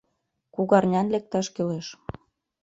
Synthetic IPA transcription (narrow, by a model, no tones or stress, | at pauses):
kuɣɑrnʲɑnlek̚t̪ɑʃkeleʃ